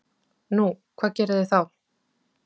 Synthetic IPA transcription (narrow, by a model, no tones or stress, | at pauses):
nukʰv̥aːðcɛːɾʏðɪθaw